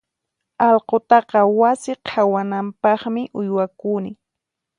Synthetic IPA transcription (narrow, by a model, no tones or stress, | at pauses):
ɑlqot̪ɑqɑwasɪqʰawanampɑχmɪʔʊjwakunɪ